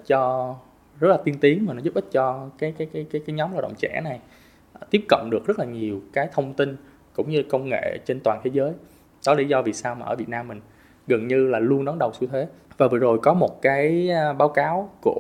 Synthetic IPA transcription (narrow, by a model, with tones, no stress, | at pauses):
t̚t͡ɕɔ˧ | zə˦˥t̚laː˨˩i˧ənt̪i˨˦əŋmaː˨˩nɔ˨˦zu˦˥p̚ʔï˦˥t̚t͡ɕɔ˧kaː˨˦jkaː˨˦kaː˨˦jkaː˨˦jkaː˨˦jɲɔ˨˦mlaː˨˧˩wɗə̰˧˨ŋ͡mt͡ɕɛ̰˧˩˥na˨˩j | t̪i˦˥əp̚kə̰˧˨wŋ͡mɗɨ˨˩ək̚zə˦˥t̚laː˨˩ɲi˨˩əwkaː˨˦jt̪ʰə˧wŋ͡mt̪i˧n | kʊ̰˧˥ŋ͡mɲɨ˧˨˩kə˧wŋ͡mŋḛ˧˨t͡ɕe˧nt̪waː˨˩nt̪ʰe˨˦zəː˨˦j | ɗɔ˨˦lḭ˧˥zɔ˧vi˨˩saː˧wmaː˨˩ʔəː˧˩vt̚naː˧mːï˨˩ŋ̟ | ɣə˨˩nɲɨ˧laː˨˩lu˧ənɗɔ˨˦nɗə˨˩wsu˧t̪ʰwe˨˦ | vaː˨˩və̰ː˨˩zo˨˩jkɔ˨˦mo˨˩t̚kaː˨˦jɓaː˨˦wkaː˨˦wku˧˩ə